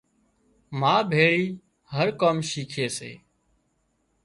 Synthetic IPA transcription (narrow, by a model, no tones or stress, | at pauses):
maːbʱeːɭiː | həɾkoːmʃiːkʰeːsḛː